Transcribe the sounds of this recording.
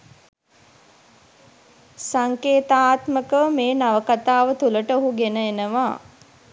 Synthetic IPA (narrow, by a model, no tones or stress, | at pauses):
saŋkeːt̪aːt̪məkəʋəmeːnaʋəkat̪aːʋət̪uləʈəoɦuɡenəenəʋaː